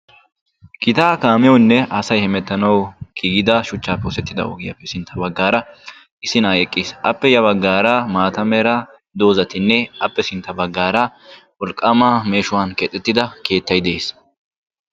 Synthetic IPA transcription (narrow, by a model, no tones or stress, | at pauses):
ɡ̥ɪt̪aːkaːmɛjɔwnːɛɐsɐjhɛmɛt̪ːɐnɐwɡ̥iːɡɪd̪ɐʃʊt͡ʃːaːpːɛɔsɛt̪ːɪd̪ɐ̰o̰ɡɪjɐ̰pːɛsɪnt̪ʰːɐbɐɡːaːɾɐ | ɪsɪnaːjɛkʼːɪːsʔɐpːɛjɐβɐɡːaːɾɐmaːt̪ɐmɛɾɐ | d̪o̞ːzɐt̪ɪnːɛɐpːɛsɪnt̪ːɐbɐɡːaːɾɐwɔlkʼːɐmaːme̞ːʃʊwaːnkeːt̪ʼːɛt̪ːɪd̪ɐke̞ːt̪ːɐjd̪e̞ːs